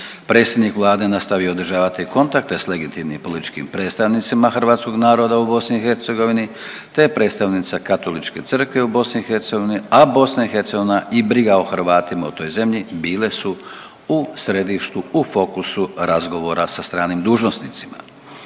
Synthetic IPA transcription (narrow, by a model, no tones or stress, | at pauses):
pɾet̪sjed̪nikʋlˠaːd̪e̞nast̪aʋiood̪ɾ̩ʒaːʋat̪iko̞nt̪ak̚t̪e̞sle̞ɡit̪imnimpo̞lit̪i̥t͡ʃkḭmpɾe̞t̪st̪aʋnit̪simaxr̩ʋaːt̪sko̞ɡnaːɾo̞d̪aubo̞sniːxe̞ɾt̪se̞ɡo̞ʋini | t̪epɾe̞ːt̪st̪aʋnit̪sakat̪o̞lit͡ʃke̞t̪sɨr̩kʋe̞ubo̞sniixe̞ɾt̪se̞ɡoiniabo̞snaixe̞ɾt̪se̞ɡoinaʔibɾiɡaoxr̩ʋaːt̪imaut̪o̞jze̞mʎibiːle̞su | usɾe̞d̪iʃt̪uufo̞kusuɾʔazɡo̞ʋo̞ɾasast̪ɾaːnimd̪uːʒno̞snit̪sima̰